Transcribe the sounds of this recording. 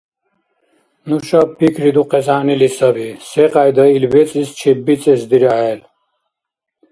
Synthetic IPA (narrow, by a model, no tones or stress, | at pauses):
nuʃapʰikʰɾid̪uqʼɛs̬aːnilisɐbisɛqʼajd̪əilbɛt͡sʼist͡ʃʰɛbːit͡sʼɛsd̪iɾaɦɛl